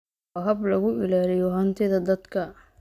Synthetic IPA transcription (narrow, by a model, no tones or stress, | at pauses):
ɦɐblɐɣʊɪlaːlɪjɔɦɐnt̪ʰɪðɐd̪ɐd̪kʰɐ